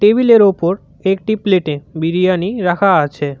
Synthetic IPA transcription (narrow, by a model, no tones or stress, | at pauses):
ʈebʱileɾopoɾ | ek̚ʈipleʈebiɾijaniɾakʰaat͡ɕʰe